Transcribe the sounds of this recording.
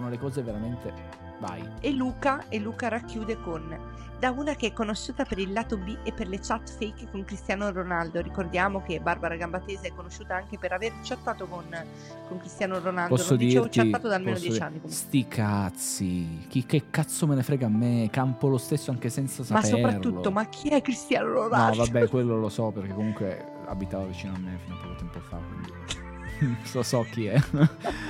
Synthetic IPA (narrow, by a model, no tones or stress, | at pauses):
onolekɔːzeveɾament̪e | va̰j | elːuːkaelːuːkaɾakːjuːd̪ekon | d̪auːnakeɛkːonoʃːuːt̪apeɾilːaːt̪obiʔepːerlet͡ʃat̪ːfejkkoŋkɾist̪jaːnoronald̪oɾikord̪jaːmok̟ebarbaɾaɡambat̪ːeːzeɛkːonoʃːuːt̪aaŋkepeɾavert͡ʃat̪ːaːt̪okon | koŋkɾist̪jaːnoɾonalpɔdosloːod̪it͡ʃːartt͡ʃ̪at̪ːat̪od̪almeːnod̪jt͡ʃiianːikomst̪ikʰat̪sik̟ikːekːat̪sːomenefɾɛːɡaːmːekampolost̪esːoaŋk̟esɛnt̪sasamapsːoepɾarːultoːomak̟ʰːiɛkːɾist̪jaːnolonaɔvabːɛkwelːolosɔperk̟ekːomuŋkwe | a̰bit̪aːvavit͡ʃiːnoamːefinopːɔkot̪ɛmpoafːa̰ɾekwḭnd̪i | osɔk̟ːiɛ